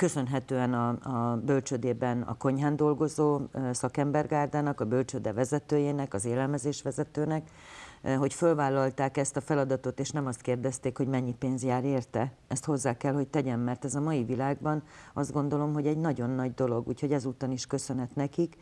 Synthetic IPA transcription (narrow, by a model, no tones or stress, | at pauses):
kø̞sø̞nɦɛt̪øːɛnɒɒbølt͡ʃød̪eːbɛnɒ̰ko̞ɲɦaːnd̪o̞lɡo̞zoːsɒkɛmbɛrɡaːrd̪aːnɒkɒbølt͡ʃød̪ɛvɛzɛt̪øːjeːnɛkɒzeːlɛlmɛzeːʃʋɛzɛt̪øːnɛk | ɦo̞cfølvaːlːɒlt̪aːkɛst̪ɒfɛlɒd̪ɒt̪o̞t̪eːʃnɛmɒst̪keːrd̪ɛst̪eːkho̞ɟmɛɲːipeːnzjaːɾeːrt̪ɛɛst̪ho̞zːaːkɛlho̞ct̪ɛɟɛmːɛrt̪ɛzɒmɒjivilaːɡbɒnɒzd̪ɡo̞nd̪o̞lo̞mɦo̞ɟɛɟnɒɟo̞nːɒɟd̪o̞lo̞ɡṵːcho̞ɟɛzuːt̪ɒniʃkø̞sø̞nɦɛt̪nɛkik